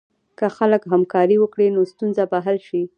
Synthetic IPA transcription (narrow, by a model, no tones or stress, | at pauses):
kəxaləkɦamkɑɾiwəkɽinost̪unzabaɦəlʃi